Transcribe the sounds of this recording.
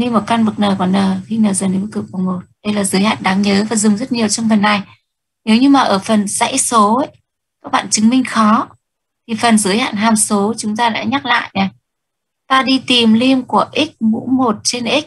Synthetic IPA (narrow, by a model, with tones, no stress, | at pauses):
ni˧mo˨˩t̚ka˧nvɨ˨˩k̚nəː˨˩kɔ˨˦nːəː˨˩xi˧nəː˨˩zəː˨˩nə˨˦m˧˦kɨ˨˩k̚ku˨˩mo˨˩t̚ɗə˧jlaː˨˩zɨ˨˦jha̰ː˧˨nɗaː˨˦ŋɲəː˨˦vaː˨˩zʊ˨˩ŋ͡mzə˦˥t̚ɲi˨˩əwt͡ɕɔ˧ŋ͡mfə˨˩nːa˨˩j | ne˨˦wɲɨ˧maː˨˩ʔəː˧˩fə˨˩nza̰˧˥jso˨˦ʔə˨˦j | kaː˦˥k̚ɓa̰ː˧˨nt͡ɕɨ˨˦ŋmï˧ŋ̟xɔ˨˦ | t̪ʰi˨˩fə˨˩nzɨ˨˦əjha̰ː˧˨nɦaː˨˩mso˨˦t͡ɕʊ˨˦ŋ͡mt̪aː˧ɗa̰ː˧˥ɲa˦˥k̚la̰ː˧˨jnɛ˨˩ | t̪aː˧ɗi˧t̪i˨˩mli˧mku˧˩əʔi˦˥k̚ɓṵ˧˥mo˨˩t̚t͡ɕe˧nʔi˦˥k̚